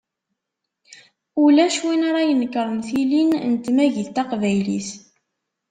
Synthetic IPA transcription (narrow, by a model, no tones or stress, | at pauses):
ulæʃwinaɾˤɑjənːəkːɾˤəmθilinnt̪mæʝiðt̪ɑqvæjlḭθ